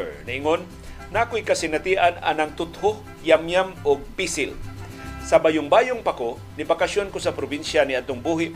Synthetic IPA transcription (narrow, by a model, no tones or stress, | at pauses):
nɐʔɪŋonː | akojkɐsɪnɐt̪iːʔana̰nɐŋt̪ʊt̪ho | jamjamʊɡ̚pisɪl | sɐbajʊŋbaːjoŋpako | nibakaʃonkosɐpɾobinʃaniɐd̪t̪oŋbuːɦɪ